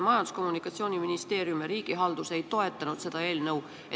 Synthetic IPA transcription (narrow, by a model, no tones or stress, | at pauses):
mɑjɑnd̪usko̞mːunikːˑɑt̪sio̞ːnʲiminist̪e̞ːɾjumjeɾiːɡ̥iɦɑld̪̥use̞jt̪o̞e̞t̪ːˑɑnud̪̥se̞d̪̥ɑe̞ːlnɤw | e